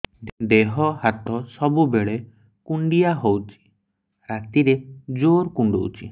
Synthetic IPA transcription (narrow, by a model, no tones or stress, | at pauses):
d̪eɦɔɦat̪ɔsɔbubeɭe | kuɳɖijaɦowt͡ʃʰi̥ | ɾat̪iɾed͡ʒoɾkuɳɖo̰wt͡ʃʰḭ